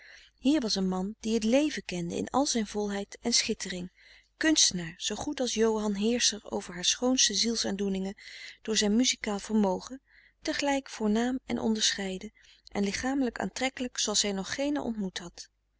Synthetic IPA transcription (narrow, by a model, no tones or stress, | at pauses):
hiːɹʋɑsənmɑnd̥iɦətlejvəkɛndə̰ɪ̰nɑ̰lˠzɛjnvɔlˠɦɛjtɛnsχɪtərɪŋ | kɵnstənaːɹz̥owχutɑlˠsjowɦɑnɦɪːɹsəro̰wvəɹɦaːɹsχownstəzilˠsaːndunɪŋəd̥ʊːɹzɛjnmyzikaːlˠv̥əɹmowχə | təχəlɛjkfʊːɹnaːmɛ̰nʔɔ̰ndəɹsχɛjdə | ʔɛnlɪχaːmələka̰ːntrɛkələksowɑlˠsɛjnɔχːejnə̰ʔɔ̰ntmutɦɑt